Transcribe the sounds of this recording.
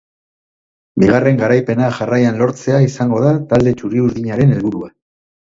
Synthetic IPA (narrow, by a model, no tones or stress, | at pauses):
biɣ̞are̞ŋɡaɾajpe̞naʝarajanlo̞ɾt͡se̞aisaŋɡo̞ðat̪ald̪e̞t͡ʃuriuɾðiɲaɾe̞ne̞lβuɾua